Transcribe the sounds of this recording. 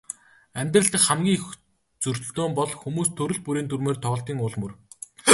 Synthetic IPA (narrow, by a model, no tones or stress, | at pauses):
æmʲt̪rə̆ɬt̪ə̆kχamɡʲiːŋx | t͡sɵr̥t̪̆ɬt̪oːmpɔɮxumuːst̪ʰɵɾɵ̆ɮpuɾiːnt̪ʰurmeːrt̪ʰɔːɬt̪iːŋʊɮmɵr